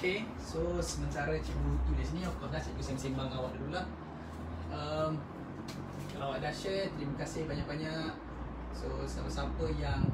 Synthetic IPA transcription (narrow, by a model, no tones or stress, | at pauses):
oke | sosəmə̃nt̪aɾət͡ʃimut̪udas̬inĩɔfkɔdasiʔkusɛmsimbaŋawaʔdadulah | əm | kalaawaʔdaʃəht̪əɾimakasɪhbaɲaʔbaɲaʔ | sosapəsapəjaŋ